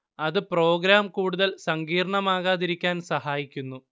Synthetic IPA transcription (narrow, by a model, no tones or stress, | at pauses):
ɐðɨpro̞ːɡɾaːmkuːɽuðɐlsɐŋɡiːɾɳɐmaːɣaːðiɾikʲːaːnsɐhaːjikʲːunːu